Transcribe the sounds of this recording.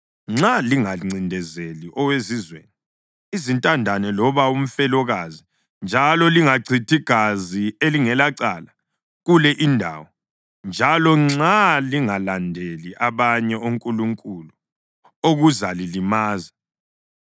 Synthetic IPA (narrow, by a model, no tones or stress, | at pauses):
ŋ͡ǁaliŋaŋ͡ǀʱindʱɛzeliʔɔwezizwḛːni | izintʼandʱanɛlɔβaum̩fɛlɔɣazi | nd͡ʒʱalɔliŋaɡ͡ǀʰʱitʰiɡ̥ʱazieliŋɛlaǀala | ɣulɛʔindʱa̰ːwɔ | nd͡ʒʱalɔŋ͡ǁaliŋalandʱeliʔaβaɲɛoŋkʼuluŋkʼulu | oɣuzalilimaːza